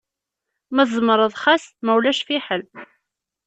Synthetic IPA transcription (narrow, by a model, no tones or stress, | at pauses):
mæzˤməɾˤəðˤχæsmæwlæʃfiħəl